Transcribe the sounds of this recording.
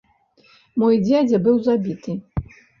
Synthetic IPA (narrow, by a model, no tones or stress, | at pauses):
mɔjd͡zʲad͡zʲɛbɨwzabʲit̪ɨ